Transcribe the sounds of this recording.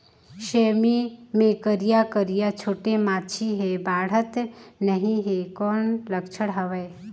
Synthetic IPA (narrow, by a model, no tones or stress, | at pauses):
ʃeːmimẽkəɾijakəɾijat͡ʃʰoːʈemaːt͡ʃʰiɦebaːɽ̤ət̪nəɦĩɦekɔːnləkt͡ʃʰəɽɦɐʋeː